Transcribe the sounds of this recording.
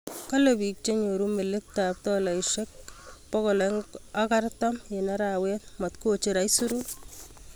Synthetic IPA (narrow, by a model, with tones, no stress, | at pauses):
ka˦lebi˨k̚t͡ʃe˦ɲo˨ɾu˦me˨le˦k̚ta˨p̚tɔla˨iʃek̚pɔkɔ˨leŋaka˦rtɔmjenɛ˦ɾawɛ˦t̚ma˨tku˦ot͡ʃeɾa˨isu˦ɾu